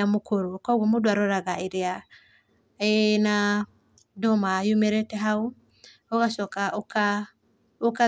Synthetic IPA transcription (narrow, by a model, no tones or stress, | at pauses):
amokoɾokɔɡɔmodwaɾɔɾaɣaeɾea | ɛna | dɔmajumeɾɛtɛɦau | ɔɣasɔkaoka | oka